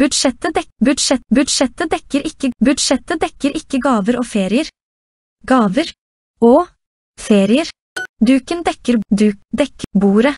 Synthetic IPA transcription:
b̥ʉd̪ʃɛt̪əd̪ɛbʉd̪ʃɛbʉd̪ʃɛt̪əd̪ɛkəɾʔɪkəbʉd̪ʃɛt̪əd̪ɛkəɾʔɪkəɡɑːʋəɾoːfeːɾɪəɾ | ɡɑːʋəɾ | oː | feːɾɪəɾ | d̪ʉːkənd̪ɛkəɾd̪ʉːkd̪ɛkəbuːɾə

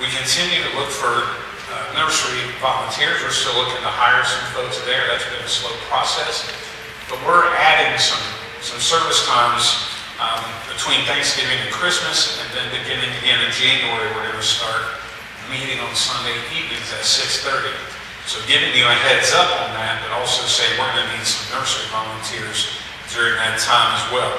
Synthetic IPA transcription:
wikʰɨ̃ntʰɪ̃njʉɾɨlʊkfə˞ | nɜ˞sɹivɑlˠə̃ntʰɪɹzwɨ˞stɪʊlʊkɪ̃ŋtʰəhaɪə˞sʌ̃ɱfoʊtsðə˞ðætsb̥ɨ̃nɨsloʊpʰɹ̥ɔsɛs | b̥ʌt̚wɪɹæɾɪ̃ŋsʌ̃m | sʌ̃msɜ˞vɨskʰɑ̃ɹs | b̥ɨtʰw̥ĩnθæ̃ŋksɡ̥ɪvɪ̃ŋtɨkʰɹ̥ɪsmɨsɨ̃nðɨ̃nbɨɡɪ̃nɪ̃ŋɨɡɛ̃nɨd͡ʒẽɪ̃nə˞ɨwəɾɨvɨstɑɹt̚ | miɾɪ̃ŋə̃nsʌ̃ndeɪivnɪ̃ŋzɨtsɪksθɜ˞ɾi | soʊɡɪvɪ̃ŋjɨɨɦɛdzʌpn̩ðæt̚b̥ʌɾɔlˠsoʊseɪwə˞ɡʌnɨnid̥sʌ̃mnɜ˞səvɑ̃lˠə̃ntʰɪɹz | dʊɹɪ̃ŋðɨtʰãɪ̃məzwɛlˠ

